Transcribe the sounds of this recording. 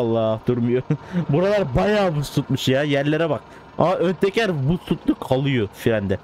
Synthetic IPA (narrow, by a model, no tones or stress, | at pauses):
ɑlˠːɑhd̪uɾmʊjubuɾɑlˠɑɾbɑjɑːbʊsut̪̚mʊʃjɑjæɾleɾɪbɑq̚ | ɑʔønt̪ekʲæɾbusut̪lʊqʰɑlˠujufiɾɛnd̪ɪ